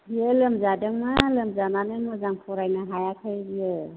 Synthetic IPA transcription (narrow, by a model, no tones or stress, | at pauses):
ijɯlɐmzadɯŋmalɐmzananɯŋmɯzaŋpʰɔɾajnaɦajakʰɯjbijɯ